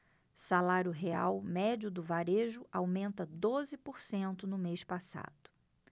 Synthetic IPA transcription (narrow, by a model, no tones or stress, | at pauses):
salaɾjʊɦea̰wmɛd͡ʒʊd̪ʊvaɾeʒʊʔawmẽnt̪ɐd̪ozɪpoɾsẽnt̪ʊnʊmejʃpasa̰d̪̥ʊ̥